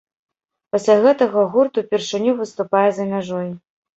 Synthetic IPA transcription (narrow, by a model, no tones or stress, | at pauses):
pɐsʲlʲaɣɛt̪ɐɣɐɣurt̪upʲɛrʂɨnʲuvɨst̪upajɛzɐmʲaʐɔj